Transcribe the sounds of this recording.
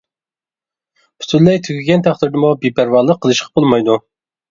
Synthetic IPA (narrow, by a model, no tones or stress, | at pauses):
y̥syllːɛjt̪ʰykʲʰiɡʲɛnt̪ʰæχt̪ɨɾd̪ɨmubipʰæɾwɑlˠːəqʰːəlˠɨʃqʰɑ̥bolˠmɑjd̪u